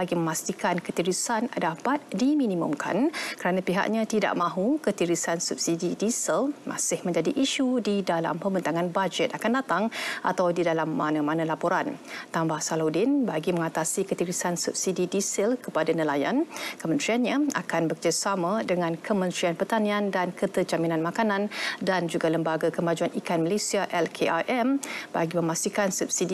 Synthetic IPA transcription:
baɡiməmãst̪ikankət̪iɾusandapat̪̚dimĩnimṵmkʰa̰nkəɾanãpiɦa̰ʔɲãt̪ida̰ʔmãɦukət̪iɾisansup̚sididisəlmʔa̰sɪhmə̃ɲd͡ʒadiʔiʃudidala̰mpəmbənt̪aŋanbad͡ʒɛt̪akandat̪aŋʔa̰t̪awdidalamːã̰nãmanãlapoɾant̪ambahsalodɪnbaɡimə̃ŋat̪asikət̪iɾisansṵp̚sididisɛlkəpadanəlaja̰nkəmənt̪ɾianɲãa̰kanbəkəd͡ʒasamãdəŋãnkʰəmə̃nt̪ɾianpərt̪anĩandankət̪əd͡ʒaminãnmakanãndand͡ʒuɡaləmbaɡakəmad͡ʒuanikanmalesiaʔɛlkʰeʔa̰ʔɛmb̥a̰ɡimə̃mast̪ikansup̚sidi

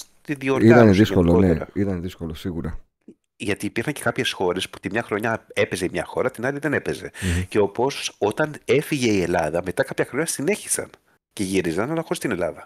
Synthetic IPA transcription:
t̪iðioiɐneðiskolooneeɐ̰it̪ɐnðiskolosiɣuɾɐ | ʝɐt̪iːpiɾxɐnɲce̞̥kɐpçe̞sxo̞ɾe̞sput̪imɲɐxɾo̞ɲɐe̞pe̞ze̞mɲɐxo̞ɾɐt̪inɐliðe̞ne̞pe̞ze̞ceo̞po̞so̥o̞t̪ɐne̞fiʝe̞ie̞lɐðɐme̞t̪ɐkɐpçɐxɾo̞ɲɐsine̞çi̥sɐ̰n | ce̞ʝiɾizɐnɐlɐxo̞ɾist̪ine̞lɐðɐ

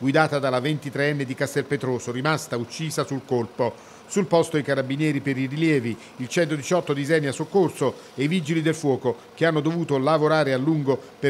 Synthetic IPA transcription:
ɡwid̪aːt̪ad̪alavent̪it̪ɾeɛnːed̪ikast̪ɛlpet̪ɾoːsoɾimast̪aut͡ʃːiːzasulkolpo | sulpɔst̪oijkaɾabinjɛːɾipeɾiriljɛːviː | lt͡ʃɛnt̪od̪it͡ʃɔt̪ːod̪izɛnːiasokːorso | eivid͡ʒilid̪elfwɔːko | k̟eanːod̪ovuːt̪olavoɾaːɾealːuŋɡope

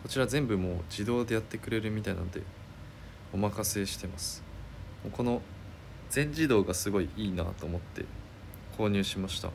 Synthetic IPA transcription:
ko̞t͡ɕiɾazẽ̞mbɯ̟mo̞ːd͡ʑid̪o̞ːd̪e̞jat̪ːe̞kɯ̟ɾe̞ɾɯ̟mʲit̪aina̰nod̪e̞̰ | o̞makase̞ɕi̥t̪e̞masɨ̥moːko̞no̞ | z̥ẽ̞ɲ̟d͡ʑid̪o̞ːɡasɨɡo̞iʔiːna̰ːt̪o̞ːmo̞t̪ːe̞̰ | kʰo̞ːɲ̟ɨːɕimaɕi̥t̪a̰

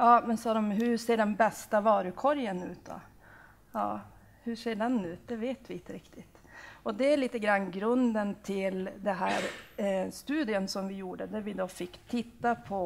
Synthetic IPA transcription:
jɑːmɛnsɑːd̪ɔmɦɵʂeːɖɛnbɛst̪avɑːɾɵkʰɔɾjənʉːt̪̚d̪ɔ̰ | jɑː | hɵʂeːɖɛnʉːt̪̚d̪ɛveːt̪vɪɪnt̪əɾɪkt̪ʰɪt̪ | ɔd̪ɛæɭiːt̪əɡɾanːɡɾɵnd̪ənt̪ʰɪld̪ɛɦæːɾst̪ʉːd̪ɪənsɔmvɪjuːɖəd̪æɾvɪd̪ofɪkːt̪ʰɪt̪ːapʰɔ

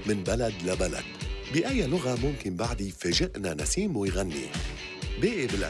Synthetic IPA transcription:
mɪnbalad̪labala̰d̪̥bɪʔajːalʊɣamʊmkɪnbaʕd̪ijfaʒɪʔnana̰siːmwɪjɣanːḭ | beːʔibɪlʕ

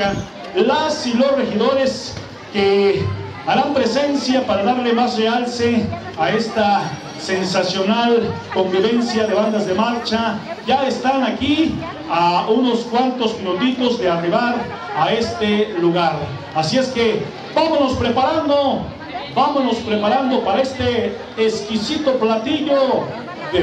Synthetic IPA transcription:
a | lasilo̞srexiðo̞ɾes | ke | aɾampɾe̞se̞nsjapaɾaðaɾle̞mazrealse | ae̞st̪a | se̞nsasjo̞nalko̞mbiβe̞nsjaðe̞βand̪azðe̞maɾt͡ʃaʝaest̪anaki | aunoskwant̪o̞zminut̪it̪o̞zðe̞ariβaɾ | ae̞st̪eluɣaɾ | asie̞ske | bamono̞spɾe̞paɾand̪o | bamono̞spɾepaɾand̪o̞paɾae̞st̪eː | skisit̪o̞plat̪iʝo | ðe

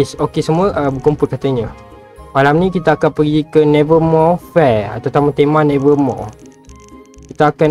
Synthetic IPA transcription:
sokesəmuəʔəbəkumpʊlkat̪aɲə | malamnĩkit̪aːkanpəɡikənevəmɔfɛa̰t̪awt̪amat̪emanevəmɔ̰ | kit̪aːkan

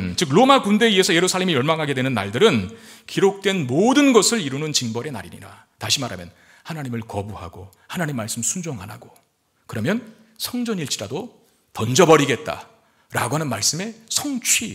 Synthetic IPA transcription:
nt͡ɕɯk̬̚ɾomakunde̞ie̞sʰʌje̞ɾusʰaɭːemijʌɭmaŋɦaɡe̞dwe̞nɯnːa̰ɭdɯɾɯnkiɾok̚t͈we̞nmodɯnɡʌsʰɯɭiɾunɯnt͡ɕinbʌɾe̞na̰ɾiɲḭɾa | taɕʰimaɾa̰mjʌn | hanaɲimɯɭkʌbuha̰ɡo | hanaɲimːaɭs͈ɯmsʰund͡ʑoŋɦa̰na̰ɡo | kɯɾʌmjʌn | sʰʌŋd͡ʑʌɲiɭt͡ɕ͈ʰiɾado | tʌnd͡ʑʌbʌɾiɡe̞t̚t͈a̰ | ɾa̰ɡoɦanɯnmaɭs͈ɯme̞sʰʌŋt͡ɕʰwɥi

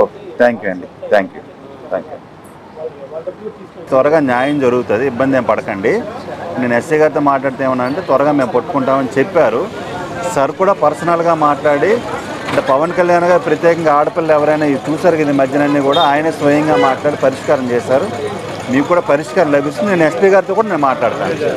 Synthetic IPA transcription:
ot̪ʰaːŋkjuɐɳɖit̪ʰaːŋkjṵ | t̪ʰaːŋkjṵ | t̪ʋɐɾɐɡaːnjaːjɐmd͡ʒɐɾuɡut̪und̪iːbːɐnd̪eːmpɐɽɐkɐɳɖineːnesiːɡɐɾt̪oːmaːʈlaːɽt̪eːʋunːaːɾɐɳʈeːt̪ʋɐɾɐɡaːme̞ːmpɐʈːu̥kuɳʈaːmɐnit͡ʃepːaːɾu | sɐɾkuːɽaːpɐɾsɐnɐlɡaːmaːʈlaːɽi | ɐɳʈepɐʋɐnkɐljaːnɡaːɾipɾɐt̪jɛːkɐŋɡaaːɽɐpɐlːɐɛʋɐɾɐjnaːiit͡ʃuːsaːɾukɐid̪imɐd̪ʱjɐnɐnːiːkuːɽaːaːjɐnɐsʋɐjɐŋɡaːmaːʈlaːɽipɐɾiʂkaːɾɐmt͡ʃɛːʃaːɾu | miːkukːuːɽaːpɐɾiʂkaːɾɐmlɐbʱist̪unineːnespiːɡaːɾit̪okuːɽaːneːnmaːʈlaːɽut̪a̰ːnu

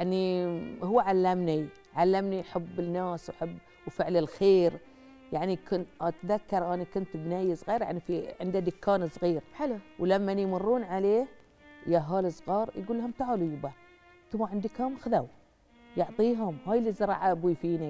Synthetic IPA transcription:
jnihʊwːaʕalːamni | ʕalːamniħabːɪnːaːswħabː | wfɪʕlɪlxeːɾ | jaʕnikʊnʔat̪ðakːɑɾˤʔaːnikʊnt̪bnajːsˤɣiːɾja̰ʕnifiʕɪnd̪ad̪ɪkːaːnsˤɣiːɾwlamːanjmʊrˤːuːnʕaleːh | jaɦaːlisˤɣɑːɾjɡuːlːahʊmt̪aʕalujɪba | t̪ʊwaʕɪnd̪ikhamxðaw | jʊʕt̪ˤiːɦʊmhaːjlːizɑɾˤɑ̰ːʕaʔabwifiːni

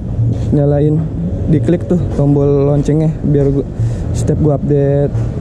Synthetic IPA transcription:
ɲalaɪndiklik̚t̪ʊht̪ɔmbɔlːɔɲt͡ʃɛŋahbiarɡst̪ɛp̚ɡuaap̚det̪̚

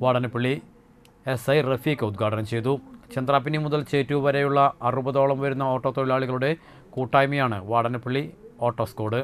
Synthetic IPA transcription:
ʋaːɽɐnɐpːiɭːi | esɐjrefikʲːɨud̪̚ɡʱaːɽɐnɐmt͡ɕe̞jt̪ut͡ɕend̪raːp̬ːinejmːuðɐlt͡ɕeːtːuʋʋɐɾejuɭːɐɐrɨbɐðoːɭɐmʋɐɾunːɐoːʈːo̞ːt̪oɭilaːɭiɣɐɭuɽe̞ | kuːʈːaːjmijaːɳɨʋaːɽɐnɐpːiɭːio̞ːʈːoːsko̞ːɽɨ

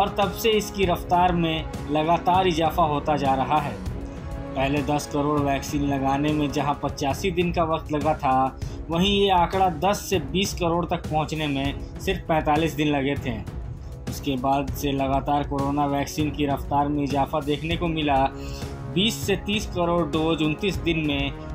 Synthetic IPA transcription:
ɔːɾt̪ɐbseɪskiɾɐft̪aːɾmẽ | lɐɡaːt̪aːɾɪzaːfaɦoːt̪ad͡ʒaːɾɐɦaɦɛː | pɛɦled̪ɐskɐɾoːɽʋɛːksiːnlɐɡaːnemẽd͡ʒɐɦãpɐt͡ʃaːsid̪ɪnkaʋɐq̚t̪lɐɡat̪ʰaʋɐɦĩjeaːkɽad̪ɐsːebiːskɐɾoːɽt̪ɐk̚pɐɦʊ̃t͡ʃnemẽsɪɾfpɛ̃ːt̪aːliːsd̪ɪnlɐɡet̪ʰẽː | ʊskebaːd̪selɐɡaːt̪aːɾkoːɾoːnaʋɛːksiːnkiɾɐft̪aːɾmẽɪzaːfad̪eːkʰnekomɪla | biːsːet̪iːskɐɾoːɽd̪oːd͡ʒʊ̃nt̪iːsd̪ɪnmẽ

